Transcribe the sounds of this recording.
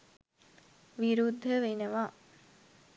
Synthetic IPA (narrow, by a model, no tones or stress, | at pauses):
ʋiɾud̪ʱːəʋenəʋa